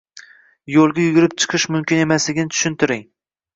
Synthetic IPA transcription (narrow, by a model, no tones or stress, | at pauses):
jolˠɡʲajʊɡʲʊɾɪp̚t͡ʃʰɨ̥qʰɨʃmʊmkʲɪne̞maslɪɡʲɪnɪt̪ʰʊ̥ʃɪnt̪ʰɪɾɪŋ